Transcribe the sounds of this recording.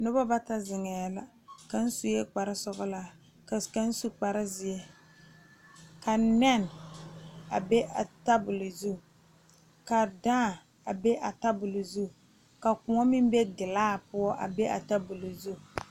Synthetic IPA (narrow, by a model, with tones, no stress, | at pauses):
nʊ˦ba˦ba˦ta˦zɪ˨ŋɛ˨la˨ | ka˨n̩˦su˨jɛ˦k͡pa˨ɾɪ˦sɔ˦ɣɔ˦la˦˨ | ka˨n̩˦su˦k͡pa˨ɾɪ˦zɪ˨ɛ˦ | ka˨nɛ˦˨n | a˨be˦ʔa˨ta˦bʊ˨lɨ˨zu˦˨ | ka˨dãː˦˨ | a˨be˦ʔa˨ta˦bʊ˨lʊ˨zu˦˨ | ka˨kʊ˨ŋɔ˦mɪ˦m˦be˦ɡɪ˨laː˦pʊ˦ɔ˦ʔa̰˨be˦ʔa˨ta˦bʊ˨lʊ˨zu˦˨